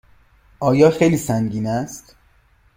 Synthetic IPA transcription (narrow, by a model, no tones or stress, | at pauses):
ʔɒːjɒːxejliːsæŋɟiːnæst̪